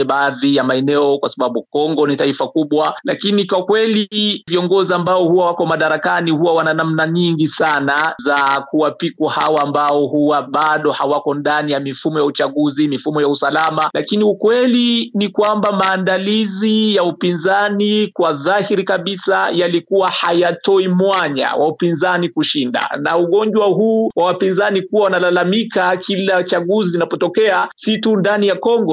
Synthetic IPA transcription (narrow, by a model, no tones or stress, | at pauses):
ɛɓaːðijamaɛnɛɔkwasaɓaɓukɔŋɡɔnitaifakuɓwalakinikwakwɛliviɔŋɡɔziambaɔhuwawakɔmaɗaɾakaniɦuwawananamnaɲiŋɡisanazakuwapikwahawaːmbaɔhuwaɓaɗɔhawakɔndanijamifumɔjaut͡ʃaɠuzimifumɔjausalamalakiniukwɛlinikwambamaːndalizijaupinzanikwaðahiɾikaɓisajalikuwahajatɔimwaɲa̰waupinzanikuʃinda̰na̰uɠɔɲd͡ʒwaɦuːwawapinzanikuwawanalalamikakilat͡ʃaɠuzizinapɔtɔkɛasitundanijakɔŋɡɔ